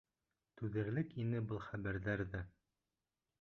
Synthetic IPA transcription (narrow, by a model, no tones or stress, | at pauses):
t̪ʉðɘ̆ɾlɘkinɘbɤlˠχæβæɾðæɾðæ